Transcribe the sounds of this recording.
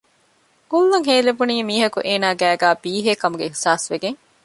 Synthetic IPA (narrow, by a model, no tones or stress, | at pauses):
ɡulːɐŋɦeːlebuniːmiːɦɐkuʔeːnaːɡæːɡæːbiːɦeːkɐmuɡeihsaːsʋeɡeŋ